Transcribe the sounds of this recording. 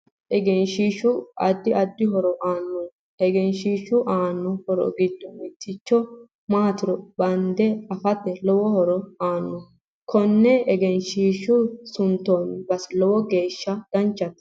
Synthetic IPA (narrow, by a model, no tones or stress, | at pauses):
ʔɛɡɛnʃiːʃʊɐ̰d̪ːɪʔɐd̪ːɪɦɔɾɔʔaːnːɔ | ɛɡɛnʃiːʃʊʔaːnːɔhɔɾɔ̰ɡɪd̪ːɔmɪt̪ːɪt͡ʃːɔ | maːt̪ɪɾɔbɐnd̪ɛɐfɐt̪ːɛlɔwɔhɔɾɔaːnːɔ | kʰɔnːɛɛɡɛnʃiːʃʊsʊnt̪ːonbɐslɔwɔɡe̞ːʃːɐd̪̥ɐnt͡ʃːɐt̪ː